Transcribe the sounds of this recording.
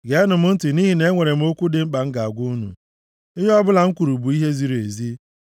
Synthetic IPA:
ɡe˨˦nʊ˨mʊ˦n̩˦ti˨ni˦ɦi˨ne˦ŋʷe˨ɾe˨m̩˦o˦kʷu˦dɪ˨ŋ͡m̩˦k͡pa˨ŋ̩˦ɡa˨a˨ɡʷu˦nṵ˨ | ɪ˦ɦe˦ɔ˦bʊ˦la˨ŋ̩˦kʷu˨ɾu˨bu˨i˦ɦe˦zi˦ɾe˨zi˦

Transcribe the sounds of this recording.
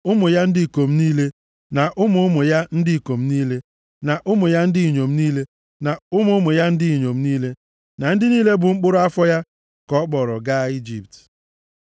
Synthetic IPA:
ʊ˦mʊ˨ja˦n̩˦dɪ˦i˨ko˨m̩˦niː˦le˦ | na˨ʔʊ˦mʊ˨ʊ˦mʊ˨ja˦n̩˦dɪ˦˨ko˨m̩˦niː˦le˦ | na˨ʔʊ˦mʊ˨ja˦n̩˦dɪ˦i˨ɲo˨m̩˦niː˦le˦ | na˨ʊ˦mʊ˨˦ʊ˦mʊ˨ja˦n̩˦dɪ˦i˨ɲo˨m̩˦niː˦le˦ | na˨n̩˦dɪ˦niː˦le˦bʊ˨ŋ͡m̩˦k͡pʊ˦ɾʊ˦a˦fɔ˦ja˦ | kɔ˦k͡pɔ˨ɾɔ˨ɡa˦i˦d͡ʒi˨p̚t

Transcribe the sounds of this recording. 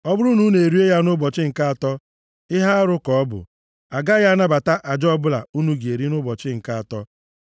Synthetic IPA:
ɔ˦bʊ˦ɾu˦nu˦ne˨ɾi˦e˦ja˦nʊ˦bɔ˨t͡ʃɪ˦ŋ̩˨ka˦a˨tɔ˦ | ɪ˦ɦa˦a˦ɾʊ˦kɔ˨ɔ˦bʊ̰˨ | a˨ɡa˦ja˦na˦ba˨ta˦ʔa˨d͡ʒɔ˦bʊ˦la̰˨u˦nu˦ɡe˨ɾi˦nʊ˦bɔ˨t͡ʃɪ˦ŋ̩˨ka˦a˨tɔ˦

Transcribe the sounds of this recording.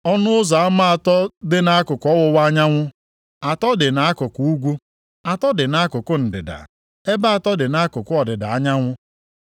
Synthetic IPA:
ɔ˦nʊ˦ʊ˦za˨a˦ma˦a˨tɔ˦dɪ˦na˦a˦kʊ˨kɔ˦wʊ˦wa˦ɲa˦ŋʷʊ˦ | a˨tɔ˦dɪ˨na˨a˦kʊ˨ku˨u˦ɡʷu˦ | a˨tɔ˦dɪ˨na˦kʊ˨kʊ˦n̩˨dɪ̰˨da̰˨ | e˦ba˦a˨tɔ˦dɪ˨na˦kʊ˨kʊ˦ɔ˨dɪ˨da˨a˦ɲa˦ŋʷʊ˦

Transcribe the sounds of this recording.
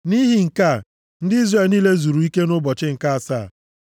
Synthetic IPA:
ni˦ɦi˨ŋ̩˨ka˦˨ | n̩˦dɪ˦i˦zre˨lniː˦le˦zu˨ɾu˨i˦ke˦nʊ˦bɔ˨t͡ʃɪ˦ŋ̩˨ka˦a˨saː˦˨

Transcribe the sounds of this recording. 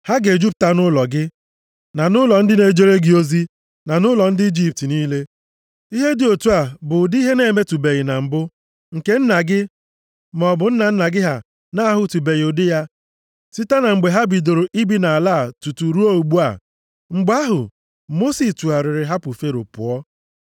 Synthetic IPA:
ha˦ɡe˨d͡ʒu˦p̚ta˦nʊ˦lɔ˨ɡɪ˦ | na˨nʊ˦lɔ˨n̩˦dɪ˦ne˨d͡ʒe˦ɾe˦ɡɪ˦o˦zi˦ | na˨nʊ˦lɔ˨n̩˦dɪ˦i˦d͡ʒi˦p̚ti˨niː˦le˦ | i˦ɦe˦dɪ˨o˨tu˦a˨bʊ˨dɪ˦i˦ɦe˦ne˦˨me˦tu˨be˨ɣɪ˨na˨m̩˨bʊ˦ | ŋ̩˨ke˦n̩˦na˨ɡɪ˦ | mɔ˨bʊ˨n̩˦na˨n̩˦na˨ɡɪ˦ɦa˨ | na˦a˦ɦʊ˨˦tu˨be˨jʊ˨dɪ˦ja˦ | si˦ta˦na˨ŋ͡m̩˨ɡ͡be˨ɦa˦bi˨do˨ɾo˨ʔi˦bi˦na˨a˨laː˦˨tu˨tu˨ɾu˦o˦u˨ɡ͡bu˦a̰˨ | ŋ͡m̩˨ɡ͡ba˦ɦʊ̰˨ | mo˦si˨stu˨a˨ɾɪ˨ɾɪ˨ɦa˦pʊ˨fe˦ɾʊ̰˨pʊ̰˨ɔ˦

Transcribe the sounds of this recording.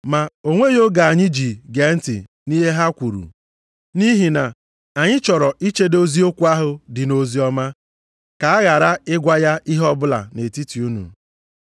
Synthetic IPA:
ma˨o˦ŋʷe˦jo˦ɡa˨a˨ɲɪ˦d͡ʒi˨ɡe˨˦n̩˦tɪ̰˨ | ni˦ɦe˦ɦa˦kʷu˨ɾṵ˨ | ni˦ɦi˨na˨ | a˨ɲɪ˦t͡ʃɔ˨ɾɔ˨ʔi˦t͡ʃe˦do˦zi˦o˦kʷu˦a˦ɦʊ˨dɪ˨no˨zi˦ɔ˦ma˦ | ka˨a˦ɣa˨ɾa˦ɪ˦ɡʷa˦ja˦ʔi˦ɦɔ˦bʊ˦la̰˨ne˨ti˦ti˨u˦nṵ˨

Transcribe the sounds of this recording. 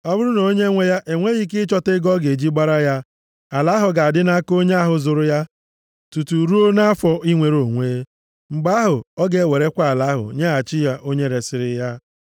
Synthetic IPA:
ɔ˦bʊ˦ɾʊ˦no˨˦ɲe˦ŋʷe˦ja˦ʔe˨ŋʷe˦ɣi˦k̬ɪ˦t͡ʃɔ˦tɪ˦ɡɔ˦ɡe˨d͡ʒi˦ɡ͡ba˦ɾa˦ja˦ | a˨la˨˦ɦʊ˨ɡa˨a˨dɪ˦na˦ko˦ɲe˦a˦ɦʊ˨zʊ˨ɾʊ˦ja˦ | tu˨tu˨ɾu˦o˦na˦fɔ˨i˦ŋʷe˨ɾo˨ŋʷeː˦ | ŋ͡m̩˨ɡ͡ba˦ɦʊ˨ɔ˦ɡe˨˦˨we˨ɾe˦kʷa˨a˨la˨˦ɦʊ̰˨ɲe˦a˨t͡ʃɪ˦ja˦ʔo˦ɲe˦ɾe˨sɪ˨ɾɪ˦ja˦

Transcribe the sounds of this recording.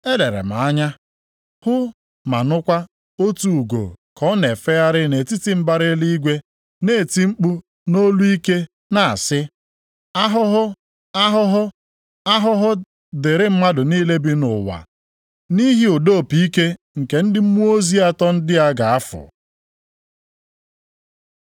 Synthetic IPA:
e˦le˨ɾḛ˨m̩a˨a˦ɲa˦ | hʊ˦ | ma̰˨nʊ˦kʷa˦ | o˦tu˨u˨ɡo̰˨kɔ˦ne˨fe˦ja˦ɾɪ˦ne˨ti˦ti˦m̩˦ba˦ɾɪ˦li˦i˦ɡʷe˦ | ne˨ti˦ŋ͡m̩˦k͡pu˦ | no˦lu˦i˦ke˦ | na˨a̰˨sɪ˦ | a˦ɦʊ˦ɦʊ˦ | a˦ɦʊ˦ɦʊ˦ | a˦ɦʊ˦ɦʊ˦ | dɪ˨ɾɪ˦m̩˦ma˦dʊ˨niː˦le˦bi˦nʊ˨wa̰˨ | ni˦ɦi˦ʊ˨do˦˨pi˨i˦ke˦ | ŋ̩˨ke˨n̩˦dɪ˦m̩˦mu˦o˦zi˦a˦tɔ˦n̩˦dɪ˦a˦ɡa˨a˦fʊ̰˨

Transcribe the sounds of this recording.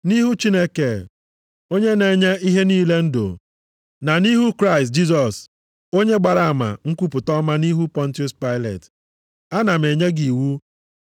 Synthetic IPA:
ni˦ɦu˦t͡ʃi˦ne˦ke˨ | o˦ɲe˦ne˨ɲe˦i˦ɦe˦niː˦le˦n̩˦do̰˨ | na˨ni˦ɦu˦kɾa˦ɪ˨st̚d͡ʒi˦sɔ˨s | o˦ɲe˦ɡ͡ba˨ɾa˨a˨ma̰˨ŋ̩˦kʷu˦pʊ˨tɔ˦ma˦ni˦ɦu˦pɔ˦n̩˦tjʊ˦spa˦ɪ˦lḛ˨t | a˦na˨m̩e˨ɲe˦ɡi˨wu˦

